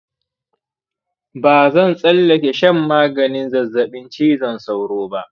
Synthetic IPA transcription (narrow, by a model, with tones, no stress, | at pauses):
baː˨zɐ˦˨nsʼɐ˦lːɐ˨kʲe˨ʃɐ˦mːaː˦ɡɐ˨nɪ˦nzɐ˨zːɐ˨ɓɪ˦nt͡ʃiː˦zɐ˦˨nsa˦wɽoː˦ba˦ʔ